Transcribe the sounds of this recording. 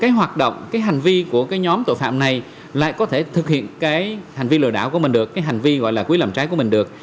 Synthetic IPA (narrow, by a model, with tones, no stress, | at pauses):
kaː˨˦jɦwaː˨˩t̚ɗə̰˧˨wŋ͡mkaː˨˦jɦa˨˩jŋ̟vi˧ku˧˩əkaː˨˦jɲɔ˨˦mt̪o̰˧˨fa̰ː˧˨mna˨˩j | la̰ː˧˨jkɔ˨˦t̪ʰe˧˩t̪ʰɨ˨˩k̚hḭ˧˨ənkaː˨˦jha˨˩jŋ̟vi˧lɨ̰˧˩ɗaː˧˩wku˧˩əï˨˩ŋ̟ɗɨ˨˩əkːaː˨˦jɦa˨˩ŋ̟vi˧ɣɔ̰˧˨jlaː˨˩kwlaː˨˩mt͡ɕaː˨˦jkəmï˨˩ŋ̟ɗɨ˨˩ək̚